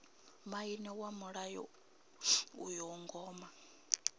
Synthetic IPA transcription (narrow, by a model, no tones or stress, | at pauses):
mainɛwamuɺajɔ̰ | ṵjɔŋɡɔːma